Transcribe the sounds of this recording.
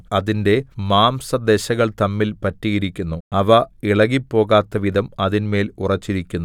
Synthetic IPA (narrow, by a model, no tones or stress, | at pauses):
ɐðinde̞maːmsɐd̪e̞ɕɐɣɐɭt̪ɐmːilpɐtːijiɾikʲːunːuɐʋɐiɭɐɣipːo̞ːɣaːt̪ːɐʋid̪ɐmɐðinme̞ːlurɐt͡ɕːiɾikʲːunːu